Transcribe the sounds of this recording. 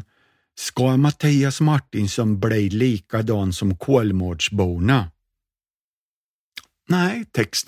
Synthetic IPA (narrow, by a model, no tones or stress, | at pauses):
skɑmat̪ʰiːasmaʈːɪnsɔnblɛjliːkad̪ɑːnsɔmkʰoːlmoːɖʂbuːna | næɪt̪ʰɛkst̪